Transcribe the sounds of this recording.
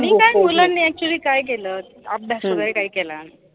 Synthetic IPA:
miːkajmulanːiːɛk̚t͡ɕuəliːkajk̬ɛləː | ap̚b̪ʱasoʋəɾekaɦiːkɛlan

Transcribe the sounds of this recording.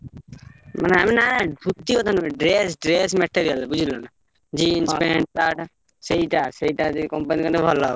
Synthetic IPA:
ma̰neaminabʱut̪ːikɔt̪ʰanɖɾesɖɾesmeʈeɾijalbud͡ʒʱilɔna | d͡ʒiinspeɳaʈ | seɦiʈaseiʈad͡ʒikɔmpanikɔnebʱɔla

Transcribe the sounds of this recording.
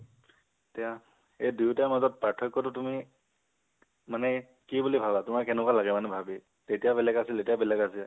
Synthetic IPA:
tija | ejdutajmazɔt̚patʰɔjkːɔtʊtumi | manɛ | kibulibʱabatʊmaɹkɛnɛkwalaɡɛmanɛbʱabi | tetijabɛlɛɡasiletijabɛlɛɡasil

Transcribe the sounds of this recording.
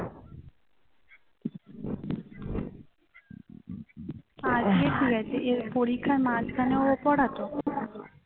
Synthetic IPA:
ad͡ʑkeʈ̪ʰiɡat͡ɕʰeʔeɾpoɾikʰːaɾmad͡ʑkʰaneoopɔɽat̪o

